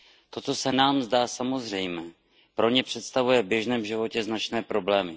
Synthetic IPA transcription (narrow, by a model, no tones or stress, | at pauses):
t̪o̞t̪o̞sɛnaːmzdaːsamo̞zr̝ɛjmɛː | pɾo̞ɲɛpr̝̥ɛt̪st̪avujɛvbjɛʒnɛːmʒɪvo̞cɛznat͡ʃnɛːpɾo̞blɛːmɪ